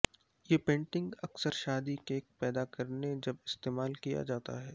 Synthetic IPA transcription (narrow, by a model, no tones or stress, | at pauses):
jeːpẽːɳʈɪ̃ŋɡɐksəɾʃaːd̪ikeːk̚pɛːd̪akɐɾned͡ʒɐbɪst̪eːmaːlkija̰d͡ʒaːt̪a̰ɦɛː